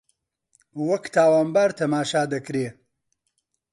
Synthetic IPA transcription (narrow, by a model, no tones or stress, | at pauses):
wɐkt̪ʰaːwaːnbaːɾt̪ʰɐmaːʃaːd̪ɐkɾeː